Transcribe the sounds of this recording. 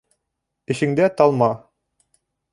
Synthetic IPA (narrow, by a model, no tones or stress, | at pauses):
ɘ̆ʃɘ̆ŋd̪æt̪ɑlˠmɑ